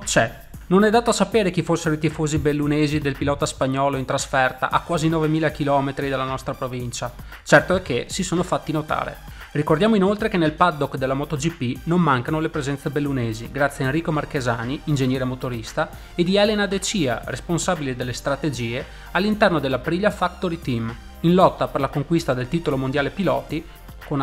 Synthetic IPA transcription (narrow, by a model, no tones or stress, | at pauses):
t͡ʃɛ | nonɛd̪ːaːt̪oasapeːɾek̟ifosːeɾoit̪ifoːzibelːuneːzid̪elpilɔːt̪aspaɲːɔːloint̪ɾasfɛrt̪a̰ʔakːwaːzinɔːvemiːlakilɔːmet̪ɾid̪elːanɔst̪ɾapɾovint͡ʃa | t͡ʃɛrt̪oɛkːesisoːnofat̪ːinot̪a̰ːɾḛ | rikord̪jaːmoinolt̪ɾekenelpad̪ːokːd̪elːamɔt̪od͡ʒipːinomːaŋkanolepɾezɛnsebelːuneːziɡɾat̪sːjaenrːiːkomarkezaːniːnd͡ʒeɲjɛːɾemot̪oɾist̪a | ed̪iɛlenad̪et͡ʃiːa̰responsaːbilid̪elːest̪ɾat̪ed͡ʒiːe | alːint̪ɛrnod̪elːapɾiʎːafakt̪oɾit̪im | inlɔt̪ːaperlakoŋkwist̪ad̪elt̪iːt̪olomond̪jaːlepilɔ̰ːt̪i | kon